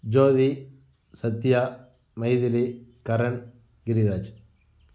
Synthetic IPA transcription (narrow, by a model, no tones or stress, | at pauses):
d͡ʒoːði | sɐt̪ːjaː | mɐjðɪlikɐɾɐn | ɡɪɾiɾaːd͡ʒ